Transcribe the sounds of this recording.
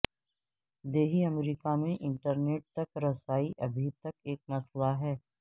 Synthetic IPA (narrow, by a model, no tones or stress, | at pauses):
d̪eːɦiɐmɾiːkamẽʔɪ̃ɳʈəɾneːʈ̚t̪ɐkɾɐsaːiʔɐbʱit̪ɐkeːk̚mɐslaɦɛː